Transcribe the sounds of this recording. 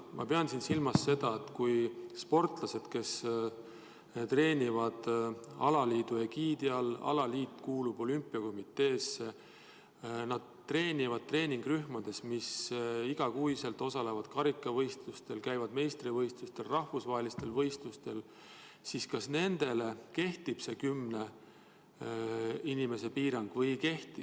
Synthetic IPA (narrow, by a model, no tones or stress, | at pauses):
mɑ̰pe̞ɑnsinsilmɑsːe̞d̪̥ɑe̞t̪ːkujspo̞rt̪ˑlɑse̞d̪̥ke̞s | t̪re̞ːnʲivɑd̪̥ɑ̰lɑliːd̪̥ue̞kiːd̪iɑlɑ̰lɑliːt̪ːˑkuːlub̥o̞lympːˑiɑko̞mit̪ˑːe̞ːsːe | nɑd̪̥̚t̪ːre̞ːnʲivɑd̪̚t̪re̞ːniŋɡ̥ryhmɑd̪̥e̞smisiɡ̥ɑkuise̞lt̪ˑo̞sɑle̞vɑd̪̥kɑɾikːˑɑvɤjst̪lust̪e̞lkæjvɑd̪̥me̞jst̪rivɤjst̪ust̪e̞lrɑhvusvɑɦelist̪e̞lvɤ̞jst̪ust̪e̞l | siskɑsne̞nd̪̥e̞le̞ke̞ht̪ib̥se̞kymne̞ | inime̞se̞piːɾɑŋɡ̥vɤjke̞ht̪i